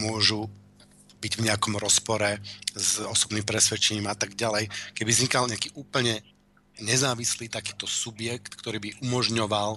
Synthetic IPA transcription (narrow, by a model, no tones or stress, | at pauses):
mʊɔʒu | biɟvɲɛakɔmɾɔspɔɾɛzɔsɔbniːmpɾɛsʋɛt͡ʃɛɲiːmat̪aɡɟalɛjkɛbivzɲikalɲɛakiːʔuːpl̩ɲɛ | ɲɛzaːʋisliːt̪akiːt̪ɔsubjɛkt̪kt̪ɔɾiːbiʔumɔʒɲɔʋal